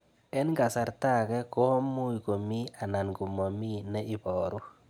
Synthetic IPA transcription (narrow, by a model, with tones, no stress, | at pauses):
ɛ˦nɡa˨sa˨ɾta˦˨kɛ˦ko˦mu˦i˨ko˨mi˦a˨na˨nɡu˨mo˨mi˦nɛ˦i˦bɔ˨ɾu˦